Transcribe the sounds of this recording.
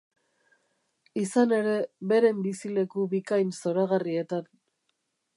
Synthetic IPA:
isane̞ɾe̞βe̞ɾe̞mbisile̞kuβikajnso̞ɾaɣarie̞t̪an

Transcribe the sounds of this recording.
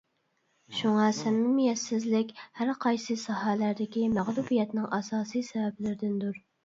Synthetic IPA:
ʃuŋɑsɛmːɪmijɛsːɪzlɪkʲhæɾqʰɑjsɨsɑɦɛlæɾd̪ɪkʲimæʁlˠubijɛt̪nɪŋɑsɑːsijsɛvɛblɪɾɪd̪ɪnd̪uɾ

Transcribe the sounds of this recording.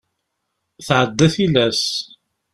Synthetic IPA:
θʕəd̪ːæθilæs

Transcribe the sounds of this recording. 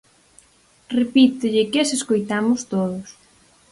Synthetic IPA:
repit̪ʊʎɪkeseskojt̪amʊst̪oðʊs

